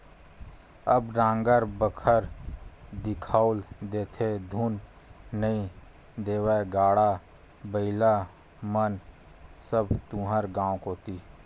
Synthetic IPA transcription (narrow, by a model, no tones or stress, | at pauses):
əbɾãːŋɡəɾbəkʰəɾ | d̪ɪkʰaːʊld̪eːt̪ʰed̪ʱuːnː | əĩ | d̪eːwəɡaːɽa | bəɪla | mən | səbt̪ũːɦəɾɡãːwkoːt̪iː